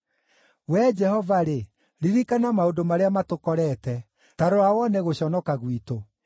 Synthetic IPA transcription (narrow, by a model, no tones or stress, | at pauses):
wɛd͡ʒɛhɔvaɾe | ɾiɾikanamaodomaɾeamatokɔɾɛtɛ | taɾoawɔnɛɣoɕɔnɔkaɣwito